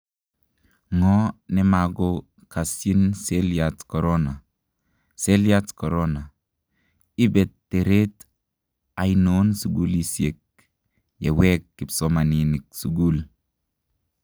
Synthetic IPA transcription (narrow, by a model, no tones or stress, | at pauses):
ŋɔnemaɡo | kasjinseljatkɔɾona | seljatkɔɾona | ibetːeɾet | ajnonsuɡulisjek̚ | jewɛkːɪpsɔmaninɪk̚suɡul